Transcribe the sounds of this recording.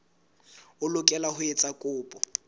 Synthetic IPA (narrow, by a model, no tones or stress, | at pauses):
ʊlʊkʼɛlahʊet͡sʼakʼʊːpʼɔ